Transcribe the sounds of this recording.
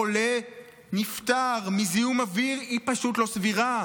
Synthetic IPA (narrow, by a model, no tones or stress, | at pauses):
ole | nift̪aʁmizijumaviʁipaʃut̪lo̞sviʁa